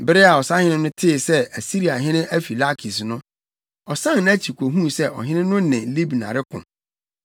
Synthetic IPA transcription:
bɪ˦ɾɪ˦a˨ɔ˨sa˦hɪ̃˦ɪ̃˦nʊ̃˦tʰɪː˦˨sɛ˦æ˨si˦ɾi˨a˨ɦɪ̃˦nɪ̃˦ʔæ˦fi˨la˦kʰi˨snʊ̃˦ | ɔ˨sã˦n˦ñ˦æ˦t͡ɕʰi˨kʰʷo˨ɦũ˦˨sɛ˦ʔɔ̰˨ɦɪ̃˦nɪ̃˦nʊ̃˦nɛ̃˨li˦bnã̰˨ɾɪ˦kʰʊ̰̃˨m

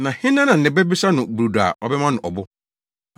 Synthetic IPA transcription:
nã˨hɪ̃˦nã˦nã˨n̩˨nɪ̃˨bɛ˦bi˦sa˦nʊ̃˨bu˨u˨da̰˨ɔ˦bɛ˦mã˦nʊ̃˨ʔɔ˨bʊ˦

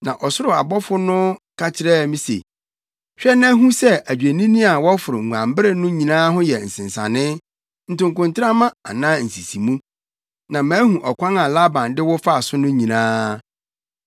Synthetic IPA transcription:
nã˨ʔɔ˨sʊ˦ɾʊ˨a̰˨bɔ˦fʊ˦nʊ̃˦ka˦t͡ɕʰɪ˨ɾɛ˦˨mĩ˦sḛ˨ | ɕᶣɛ˦nã˦ɦũ˦sɛ˦æ˨d͡ʑᶣe˨nĩ˦nĩ˦a˨wɔ˦fʊ˨ɾʊ˨ŋ̩˨ɡʷã˨mbɪ˦ɾɪ˦nʊ̃˦ɲĩ˨nãː˦ɦʊ̃˦jɛ˨n̩˨sɪ̃˨n˨sã̰˨nɪ̃˦ | n̩˨tʊ̃˨ŋkʊ̃˨ntʰɪ˦a˦mã˦a̰˨nãː˦n̩˨si˨si˨mũ˦ | nã˨mãː˨˦hũ˨ʔɔ˨kʷʰã˦ŋã˨la˦bã˨ndɪ˦wʊ˦fa˦a˨sʊ˦nʊ̃˦ɲĩ˨nãː˦

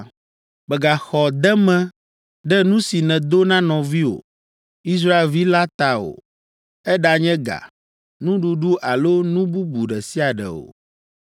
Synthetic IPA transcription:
bɛ˨ɡa˨xɔ˨d̪ɛ˦mɛ̃˦ | ɖɛ˦nũ˦si˨nɛ̃˨d̪o˦nã˦nɔ̃˨vi˦wo̰˨ | i˦s̬ɾa˦e˨lvi˦la˦t̪a˨o̰˨ | ɛ˦ɖa˨ɲɛ̃˦ɡa̰˨ | nũ˦ɖu˨ɖu˦ʔa˨lo˦nũ˦bu˦bu˨ɖɛ˨si˦a˨ɖɛ̰˨o̰˨

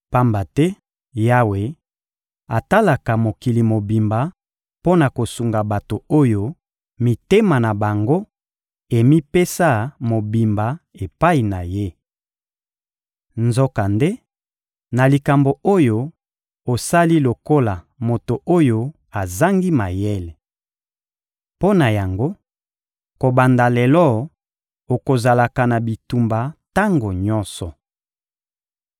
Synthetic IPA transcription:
pa˦mba˨tɛ˦ | ja˦we˨ | a˨ta˦la˨ka˨mo˨ki˨li˨mo˨bi˨mba˨ | po˦na˨ko˨su˨ŋɡa˨ba˨to˨o˦jo˦ | mi˨te˦ma˨na˨ba˨ŋɡo˦ | e˨mi˦pe˦sa˦mo˨bi˨mba˨e˨pa˦i˨na˨je˦ | nzo˦ka˨nde˦ | na˨li˨ka˨mbo˨o˦jo˦ | o˨sa˦li˦lo˨ko˦la˨ | mo˨to˨ʔo˦jo˦ | a˨za˦ŋɡi˦ma˨jɛ˦le˨ | po˦na˨ja˨ŋɡo˦ | ko˨ba˨nda˨lɛ˨lɔ˦ | o˨ko˨za˨la˨ka˨na˨bi˨tu˨mba˨ta˦ŋɡo˨ɲɔ˦nsɔ˨

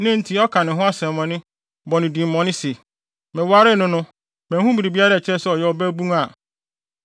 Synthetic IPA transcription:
nɪ̃˦n̩˦tʰi˨ɔ˦kʰã˨nɪ̃˨ɦʊ̃˦a˦sɛ̃˨m˨mɔ̃˨nɪ̃˦ | bɔ˨nɪ̃˨dĩ˨m̩˨mɔ̃˨nɪ̃˦si˨ | mɛ̃˨wa˦ɾɪ˦nʊ̃˦nʊ̃˦ | mɛ̃˨˦hũ˦bi˨ɾi˨bi˦a˦ɾa˦˨t͡ɕʰɪ˦ɛ˦sɛ˦ɔ˨jɛ˦ɔ˦bæ˦bũ˦a˨

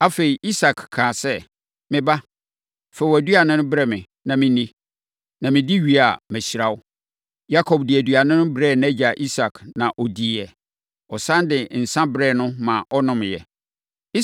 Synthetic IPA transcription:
a˦fe˨i˨ʔi˦sa˨kʰkʰːãː˨sɛ˦ | mɪ̃˨ba˦ | fɛ˦˨wɔ˨æ˨dɥa˨nɪ̃˦nʊ̃˦bɾɛ˦mɪ̃˨ | nã˨mɪ̃˦nĩ˦ | nã˨mɪ̃˨di˦ɥi˨a˨mæ̃˨ɕi˨ɾa˦wʊ˦ | ja˦kʰɔ˨bdɪ˨ɛ˨dɥa˨nɪ̃˦nʊ̃˦bɾɛː˦˨nɛ˦d͡ʑa˨ʔi˦sa˨kʰnã˨ʔo˨di˨ɛ˨ | ɔ˨sã˦ndɪ˨n̩˨sã˦bɾɛ˦˨nʊ̃˦mã˨ʔɔ˦nʊ̃˨m˨jɛ̰˨ | i˦

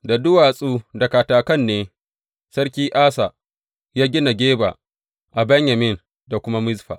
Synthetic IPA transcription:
da˨dʊ˦waː˨sʼuː˦dɐ˨kaː˨taː˨kɐ˦˨nːeː˦ | sɐ˦rkʲiː˦ʔaː˦sa˨ | jaː˦ɡʲɪ˦na˨ɡʲeː˦ba̰ː˨ | ʔa˨bɐ˦ɲjɐ˨mɪ˦˨n | da˨kʷʊ˦ma˦mɪ˦zɸa̰ː˨

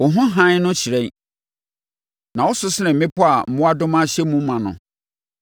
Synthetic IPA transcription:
wʊ˨ɦʊ̃˦ɦã˦nʊ̃˦t͡ɕʰi˨ɾɛ˦ | nã˨wɔ˦sʊ˦sɪ˦nɪ̃˨m̩˨mɪ̃˦pʰʊ˦a˨m̩˦mʊ̃˦a˦dʊ̃˦mã˦ɕɛ˦mũ˦m̩˦mã˨nʊ̰̃˨

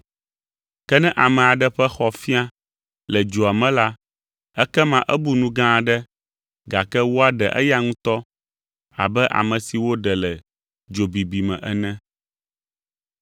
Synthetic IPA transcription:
kɛ˦nɛ̃˦ʔa˨mɛ̃˨a˨ɖɛ˦ɸɛ˦xɔ˨fi˦a˦ | lɛ˨d͡ʒo˨a˨mɛ̃˦la˦ | ɛ˦kɛ˦mã˦ʔɛ˦bu˦nũ˦ɡã˦˨ɖɛ˦ | ɡa˨kɛ˦wo˦a˦ɖɛ̰˨ʔɛ̰˦ja˦ŋũ˦t̪ɔ˦ | a̰˨bɛ˦ʔa̰˨mə̃˨si˨wo˦ɖɛ˨lɛ˨ | d͡ʒo˨bi˨bi˨mɛ̰̃˨ʔɛ˦nɛ̃˦

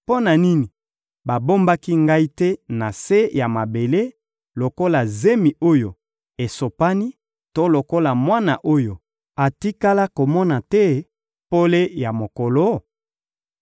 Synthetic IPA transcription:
po˦na˨ni˦ni˨ | ba˨bo˦mba˦ki˦ŋɡa˦i˦tɛ˦na˨se˦ja˨ma˨be˨le˦ | lo˨ko˦la˨ze˦mi˨ʔo˦jo˨ | e˨so˨pa˦ni˦ | to˦lo˨ko˦la˨mwa˦na˨ʔo˦jo˨ | a˨ti˦ka˦la˦ko˨mɔ˦na˨tɛ˦ | po˦le˦ja˨mo˨ko˨lo˦

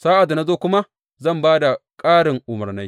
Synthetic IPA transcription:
saː˦ʔa˨dːa˨na˦zoː˦kʷʊ˦ma˦ | zɐ˦˨mbaː˦da˨kʼaː˦ɽɪ˨ŋʔʊ˨mɐ˨rna˦j

